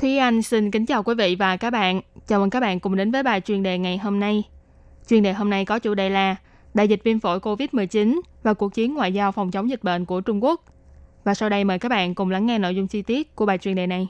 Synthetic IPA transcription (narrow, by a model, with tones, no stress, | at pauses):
t̪ʰi˨˦ʔa˧jŋ̟si˧nkï˨˦ŋ̟t͡ɕaː˨˩wkwi˨˦vḭ˧˨vaː˨˩kaː˦˥k̚ɓa̰ː˧˨nt͡ɕaː˨˩wʔə˨˧˩kaː˦˥k̚ɓ̰ːnkʊ˨˩ŋ͡mɗe˨˦nvəː˨˦jɓaː˨˩jt͡ɕwi˨˩ənɗe˨˩ŋa˨˩jɦo˧mna˧j | t͡ɕwi˧ənɗe˨˩ɦo˧mna˧jkɔ˨˦t͡ɕṵ˧˩ɗḛ˧˨˩laː˨˩ | ɗa̰ː˧˨jzi˨˩t̚vi˧ənfo̰˧˩jko˧vi˦˥t̚mɨ˨˩əjt͡ɕi˨˦nvaː˨˩ku˨˩ək̚t͡ɕi˨˦ənŋwa̰ː˧˨jzaː˧wfɔ˨˩wŋ͡mt͡ɕə˨˦wŋ͡mzi˨˩t̟̚ɓḛ˧˨nku˧˩ət͡ɕʊ˧ŋ͡mku˦˥ək̚ | vaː˨˩sa˧wɗə˧jməː˨˩jkaː˦˥k̚ɓa̰ː˧˨nkʊ˨˩ŋ͡mla˨˦ŋːɛ˧no̰˧˨jzʊ˧ŋ͡mt͡ɕi˧t̪i˦˥ət̚kəɓaː˨˩t͡ɕwi˨˩ənɗe˨˩na˨˩j